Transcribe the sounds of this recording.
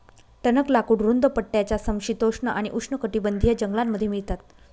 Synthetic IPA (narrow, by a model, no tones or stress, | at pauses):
t̪ənəklakuːɽɾund̪əpəʈːjat͡ɕjasəmɕit̪oʂɳəʔaɽ̃iʔukʂɳəkəʈiːbənd̪ʱijəd͡ʑəŋɡlamːəd̪ʱjemiɭt̪at̪̚